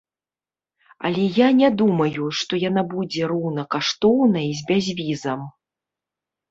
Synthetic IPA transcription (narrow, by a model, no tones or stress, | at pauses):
ɐ̰lʲɛjanʲɛd̪umɐjuʂt̪ɔjanabud͡zʲɛɾɔwnɐkaʂt̪ɔwnɐizʲbʲazʲvʲizɐm